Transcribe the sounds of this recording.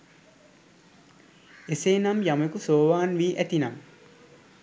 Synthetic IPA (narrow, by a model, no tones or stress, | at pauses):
eseːnamjamekusoːʋaːnʋiːʔæt̪inam